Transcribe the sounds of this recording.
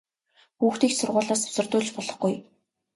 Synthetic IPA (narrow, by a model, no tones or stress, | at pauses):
xuːxt̪iːksʊrʁʊːɮaːsʊ̥sə̆rt̪ʊːɮt͡ɕpɔɮɞ̆χɡuj